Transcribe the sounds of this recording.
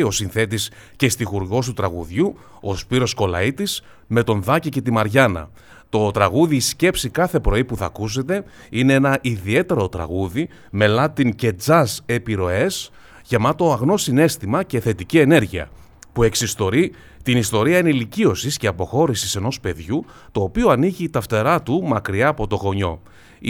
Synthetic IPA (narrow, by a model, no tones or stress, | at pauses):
o̞sinθe̞t̪̬isce̞st̪ixuɾɣo̞st̪ut̪ɾɐɣṵðʝu | o̞spiɾo̞sko̞lɐ̰it̪is | me̞t̪o̞nðɐcice̞t̪imɐɾʝɐnɐ̰ | t̪o̞t̪ɾɐɣuðiːsce̞psikɐθe̞pɾo̞ipuθɐ̰kus̬e̞t̪e̞ | ineenɐʔiðie̞t̪e̞ɾot̪ɾɐ̰ɣuði | me̞lɐt̪iŋce̞d͡zɐse̞piɾo̞e̞s | ʝemɐt̪o̞ɐɣno̞sine̞st̪imɐce̞θe̞t̪icie̞ne̞ɾʝiɐ̰ | pue̞ksist̪o̞ɾi | t̪inist̪o̞ɾiɐineilicio̞sisce̞ɐpo̞xo̞ɾisise̞no̞spe̞ðʝu | t̪o̞ːpio̞ɐniʝiːt̪ɐft̪e̞ɾɐt̪umɐkɾiɐːpo̞t̪o̞ɣo̞ɲo̞̰